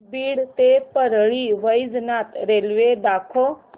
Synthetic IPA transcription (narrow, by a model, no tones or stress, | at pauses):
biːɽt̪epəɾɭiːʋəjznat̪ɾelʋed̪aːkʰo